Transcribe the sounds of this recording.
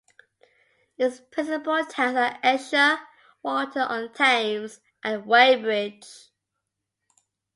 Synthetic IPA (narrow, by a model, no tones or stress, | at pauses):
ɪspʰɹ̥ɪ̃nsɪpəlˠtʰɛ̃əɛʃə | wɔtʰəʔə̃ntʰẽɪ̃mz | ʔə̃nweɪbɹɪ̥d͡ʒ